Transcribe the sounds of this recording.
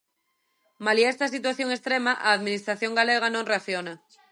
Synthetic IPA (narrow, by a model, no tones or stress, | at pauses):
maliest̪as̬it̪̬waθjoŋest̪ɾemaʔaːðmĩnist̪ɾaθjoŋɡaleɣ̞anõŋreaθjona